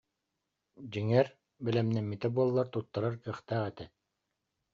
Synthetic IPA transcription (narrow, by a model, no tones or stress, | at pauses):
d͡ʑiŋɛɾ | bɘlɛmnɛmːit̪ɛbuɔlˠːaɾt̪ut̪ːaɾaɾkɯχt̪æːʁɛt̪ɛ